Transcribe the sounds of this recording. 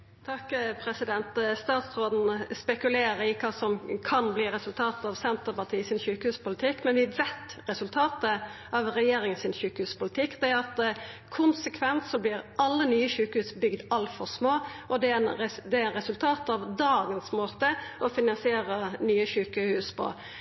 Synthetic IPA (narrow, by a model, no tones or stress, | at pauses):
t̪ʰɑkːpʰɾɛsɪd̪ɛnt̪st̪ɑːt̪sʁoːd̪n̩spɛkʉleːɾəɪkʰɑːsɔmkʰɑnbliːɾɛsʉlt̪ʰɑːt̪ɑʋsɛnt̪əʁpɑʈʰiːsɪnçʉːkəhʉːspʊlɪt̪ʰɪkːmɛnʋɪʋɛt̪ɾɛsʉlt̪ʰɑːt̪ə | ɑʋɾɛjeːɾɪŋənsɪnɕʉːkəhʉːspʊlɪt̪ʰɪkːd̪ɛæɾɑt̪kʰʊnsəkʰʋɛnt̪sɔblɪɾɑlːənyːəçʉːkəhʉːsbʏɡd̪ɑlfɔʁsmoːʔɔd̪ɛnd̪ɛnɾɛsʉlt̪ʰɑːt̪ɑʋd̪ɑːɡənsmoːt̪əʔɔfɪnɑnsɪeːɾənyːəçʉːkəhʉːspʰɔ̰